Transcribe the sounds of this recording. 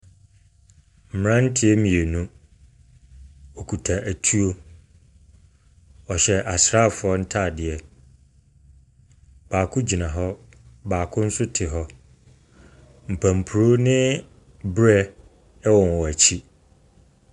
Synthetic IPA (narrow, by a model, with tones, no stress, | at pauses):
m̩˨m̃˨ɾã˦n̩˦tʰɪ˦ɛ˦mĩ˨e˨nũ˦ | ɔ˨kʰu˨tʰa˨ʔæ˨tʰu˦o˦ | ɔ˨ɕɛ˨ʔa˨sɾa˦˨fʊ˨ɔ˦n̩˦tʰa˦˨dɪ˨ɛ˨ | b̥aː˨kʰʊ̃˦d͡ʑi˨nã˨ɦɔ˦ | baː˨kʰʊ̃˦n̩˦sʊ˦tʰɪ˨ɦɔ˦ | m̩˨pʰæ̃˨m̩˨pʰu˨ɾo˦nɪ̃˦ | bɾɛ˦ | ɛ˦wɔ̃˨n˨wɔ˨æ˨t͡ɕʰi˦